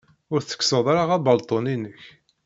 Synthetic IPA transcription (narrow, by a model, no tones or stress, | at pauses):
ʊɾθə̥ksəðˤaɾaʁæbəlt̪ˤoninəç